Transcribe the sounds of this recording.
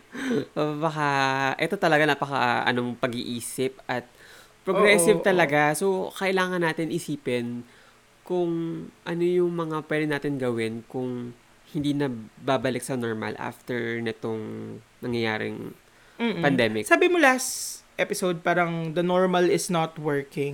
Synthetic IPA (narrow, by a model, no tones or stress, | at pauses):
obɐkaʔɛt̪o̞t̪ɐlɐɡanapɐka̰ʔɐ̰no̞pɐɡiʔiːsɪp̚ʔɐt̪̚pɾoɡɾɛsɪvt̪ɐlɐɡaso̞kɐʔɪlaːŋɐnːaːt̪ɪnʔɪsiːpɛn | kʊŋʔɐno̞jʊŋmɐŋapwɛːd̪ɪnaːt̪ɪnɡɐwɪnkʊŋ | hɪnd̪iːnɐbabɐlɪk̚sɐno̞ɹmɐ̰lʔa̰ft̪ɛɹnɪt̪oŋnɐŋjɐjaːɾɪ̰ŋ̩ː | pɐnd̪ɛmɪksaːbɪmolast̪ʔɛpɪsowd̪̚paːɾɐŋd̪ɐnoɹmɐlɪsnɐt̪wɛɹkɪ̃ŋ